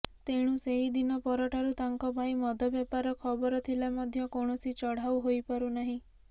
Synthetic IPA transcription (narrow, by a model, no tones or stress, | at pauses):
t̪eɽ̃ũseɦid̪inɔpɔɾɔʈʰaɾut̪aŋkɔbʱajmɔd̪ʱɔbjapaɾɔkʰɔbɔɾɔt̪ʰilamɔd̪ʱjɔkoɽ̃ɔsit͡ʃɔɽ̤awɦojpaɾunaɦĩ